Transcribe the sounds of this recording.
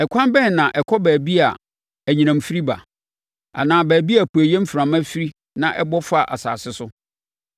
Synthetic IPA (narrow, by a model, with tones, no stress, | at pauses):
ɛ˨kʰʷã˦nbɛ˦n˨nã˨ʔɛ˨kʰɔ˦bæː˨bi˦a˨ | æ˨ɲĩ˨nã˨mfi˦ɾi˦ba̰˨ | a̰˨nãː˨bæː˨bi˦a˨pu˨æ˨jɛ̃˦m̩˦fɾã˨mã˦fi˦ɾi˦ | nã˨ʔɛ˦bɔ˦fa˦˨ʔa̰˨sa̰ː˨sɪ˦sʊ˦